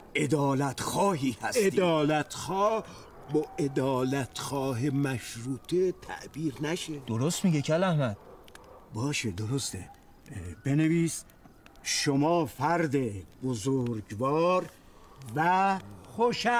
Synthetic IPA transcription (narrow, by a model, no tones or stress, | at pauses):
ʔe̞d̪ɒːlæt̪xɒːɦiːhæseid̪ɒːlæt̪ʰxɒːh | bɒːʔed̪ɒːlæt̪ʰxɒːɦemæʃɾuːt̪ʰet̪ʰæ̰ʔbiːɾnæʃed̪̥oɾost̪miɟecʰælæhmæd̪̥̚ | bɒːʃed̪oɾost̪e | b̥e̞neviːs | ʃomɒːfæɾd̪eb̥ozoɾɡvɒːɾ | væxoʃæ